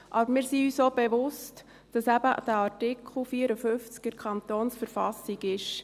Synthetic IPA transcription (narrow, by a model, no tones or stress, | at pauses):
ʔɑbəɾmɪːɾsiyːsoːbɛʋʊst | d̥ɑsæb̥əd̥æɑɾtɪkʰχl̩ˠfiəɾəføft͡skəɾkʰɑnt̪oːnsfəɾfɑsiɡɪʃ